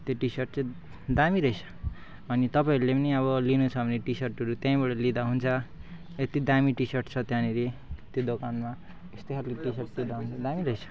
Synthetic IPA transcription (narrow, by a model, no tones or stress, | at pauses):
t̪joʈisʌrʈ̚t͡sʌ | d̪amiɾʌjt͡sʰʌ̥ | ʌnit̪ʌpaĩɾulepʌniʌβʌlinut͡sʰʌbʌneʈisʌrʈɦʌɾut̪jãĩbʌɽʌlid̪aɦunt͡sʰʌ | et̪id̪amiʈisʌrʈt͡sʰʌt̪jãnilet̪jod̪okanma | est̪eɦʰalkiʈisʌrʈ̚lid̪aɦunt͡sʰʌd̪amiɾʌjt͡sʰʌ̥